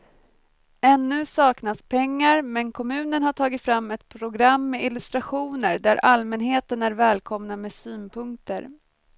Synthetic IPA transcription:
ɛnːɵ̟sɑːknaspʰɛŋːaɾmɛnkʰɔmʉ̟ːnənhaʈʰɑːɡɪt̪fɾamːɛt̪pʰɾʊɡɾamːɛɪlɵst̪ɾaɧuːnəɾd̪æɾʔalmɛnɦeːt̪ənæɾvɛːlkʰɔmnamɛːsyːnpʰɵŋkt̪ə̰ɾ

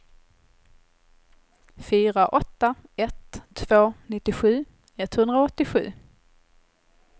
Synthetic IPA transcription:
fyːɾaʔɔt̪ːaɛt̪ʰːv̥oːnɪt̪ːɪɧʉ̟ː | ɛt̪hɵnd̪ɾaɔt̪ːɪɧʉ̟̰ː

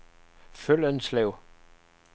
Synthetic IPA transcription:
følənsleʊ

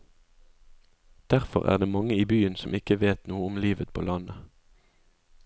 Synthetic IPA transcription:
d̪̥æʁfɔ̰ʁæ̰ːʁd̪eːmɑŋəiːbyːənsɔmɪkəʋeːt̪nuːəʊmliːʋət̪pʰo̰ːlɑnə

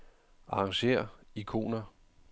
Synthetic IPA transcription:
ʔɑ̈ɑ̈ŋɕe̝̰ːɐ̰ikʰo̝̰ːnɐ

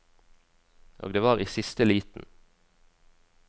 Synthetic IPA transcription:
ʔo̰ːɡd̪eːʋɑːʁiːsɪst̪əliːt̪n̩

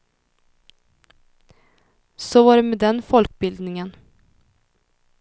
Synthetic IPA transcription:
sɔvaːɖɛmed̪ɛnfɔlk̚bɪld̪nɪŋən

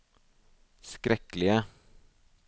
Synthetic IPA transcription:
skɾɛklɪə

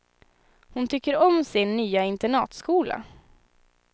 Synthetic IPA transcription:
hʊnt̪ʰʏkːəɾɔmsɪnːyːaɪnt̪ɛɳɑːt̪skuːla̰

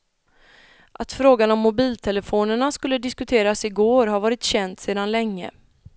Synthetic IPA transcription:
ʔat̪fɾoːɡanɔmːʊbiːlt̪ʰɛləfoːnəɳaskɵlːəd̪ɪskɵt̪ʰeːɾasɪɡoːɾɦaɾvɑːɾɪt̪ɕɛnd̪seːd̪anlɛŋːə̰

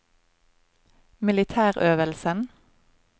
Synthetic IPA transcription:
mɪlɪt̪ʰæːʁøːʋəlsən

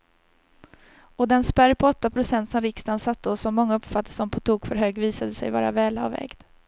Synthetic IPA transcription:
ɔd̪ɛnspæɾpʰɔɔt̪ːapʰɾʊsɛnt̪sɔmɾɪkst̪ansat̪ːəɔsːɔmːɔŋːaɵpfat̪ːə̥sɔmpʰɔt̪ʰuːɡfœɾɦøːɡviːsad̪əsɛ̰jvɑ̰ːɾa̰vɛːla̰vːɛ̰ːɡd̪̥

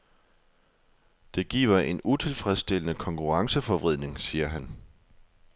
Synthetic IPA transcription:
d̥e̝ɡ̥ḭːʊɐʔe̝nut͡sʰe̝lfʁɛsd̥e̝l̰ənəkʰɒ̽ŋkʰuʁɑ̈ŋsəfɒ̽ʋʁiðˠne̝ŋsiːɐɦæn

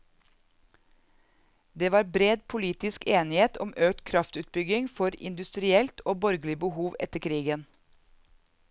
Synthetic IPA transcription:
d̪eːʋɑːɾbɾeːd̪pʰʊliːt̪ɪskʰeːnɪheːt̪ʰɔmʔøːk̚t̪kʰɾɑft̪ʉːt̪̚bʏɡɪŋfɔɾɪ̰nd̪ʉst̪ɾɪɛlt̪ʰoːbɔɾɡl̩ɪbəhuːʋɛ̰t̪əɾkʰɾiːɡən

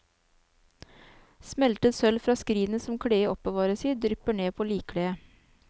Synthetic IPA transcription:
smɛlt̪əsœlfɾɑːskɾiːnəsɔmkʰɽeːəʔɔpəʋɑːɾəsiːd̪ɾʏpəɳeːpʰoːliːkʰɽeːə

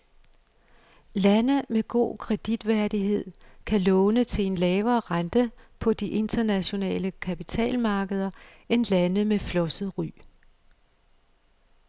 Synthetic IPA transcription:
lænəmeɡ̥o̝̰ːkʰʁɛd̥id̥ʋæɐd̥iɦe̝ð̞̰ˠkʰælɔ̽ːnət͡sʰe̝e̝nlɛːʊɐːʁɑnd̥əpʰɒ̽d̥iʔe̝nd̥ɐnæɕo̝nɛ̰ːləkʰæpit͡sʰɛ̰ːlmɑ̈ːɡ̥əð̞ˠɐ | e̝nlænəmeflɒ̽səð̩ˠʁy̰ː

